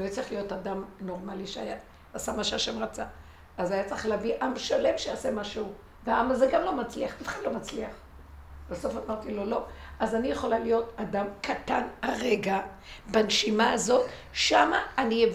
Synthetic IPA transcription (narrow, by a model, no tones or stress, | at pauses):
lojet͡sʁiχlijo̞tadamno̞ʁmaliʃeaja | asamaʃeaʃemʁat͡sa | azajat͡sʁiχleaviʔamʃale̞mʃeasemaʃeu | veaamazeɡamlo̞mat͡sliaχbifχadlo̞mat͡sliaχ | b̥aso̞famaʁtilolo̞azanijeχo̞lalijo̞tadamkʰat̪anaʁeɡa | banʃimaazo̞t̪ | ʃamaːnie